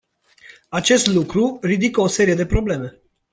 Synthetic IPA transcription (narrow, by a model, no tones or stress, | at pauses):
at͡ʃe̞st̪lukɾuɾid̪ikəose̞ɾije̞d̪e̞pɾo̞ble̞me̞